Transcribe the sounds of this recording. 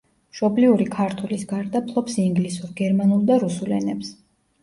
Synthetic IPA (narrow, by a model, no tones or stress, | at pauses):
mʃɔbliuɾikʰaɾt̪ʰulisɡaɾd̪apʰlˠɔpsiŋɡlisuɾɡɛɾmanulˠd̪aɾusulɛnɛps